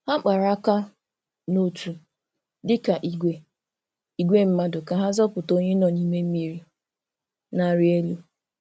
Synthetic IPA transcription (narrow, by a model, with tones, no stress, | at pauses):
ha˦k͡pa˨ɾa˦ka˦ | no˦tu˨ | dɪ˦ka˨ʔi˨ɡʷe˨ | i˨ɡʷe˦m̩˦ma˦dʊ˨ka˨ɦa˦zɔ˦pʊ˨to˦ɲe˦nɔ˨ni˦me˦m̩˦mi˦ɾi˦ | na˨ɾɪ˦e˦lu˦